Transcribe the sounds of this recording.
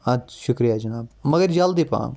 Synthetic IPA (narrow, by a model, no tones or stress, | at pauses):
ɐd̪ʃʊkɾijad͡ʒɐnaːb̚mɐɡəɾd͡ʒald̪ipã̰ː